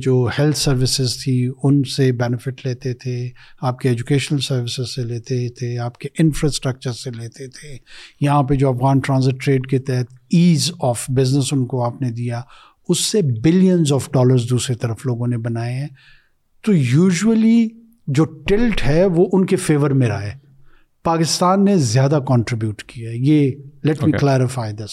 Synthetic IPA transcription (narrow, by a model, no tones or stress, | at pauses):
d͡ʒoːhɛlt̪ʰsɐɾʋɪsɪzt̪ʰiʊnsebɛːnɪfɪʈleːt̪et̪ʰeaːp̚keɛːd͡ʒukeːʃənəlsɐɾʋɪsɪzseleːt̪et̪ʰeaːp̚keʔɪ̃nfɾaːsʈɾək̚t͡ʃəɾseleːt̪et̪ʰejɐɦãped͡ʒoːɐfɣaːnʈɾãːzɪʈːɾeːɖket̪ɛɦɛt̪ʰiːzɔːfbɪznəsʊnkoaːpned̪ija | ʊsːebɪlijənzɔːfɖɔːləɾzd̪uːsɾit̪ɐɾəfloːɡõnebɐnaːeɦɛ̃ː | t̪oːjuːʒuəli | d͡ʒoːʈɪlʈɦɛːʋoʔʊnkefeːʋəɾmẽɾaːeː | paːkɪst̪aːnːezjaːd̪akɔ̃ːɳʈɾɪbjuːʈkijajeːlɛʈmiːklɛːɾɪfaːɪd̪ɪs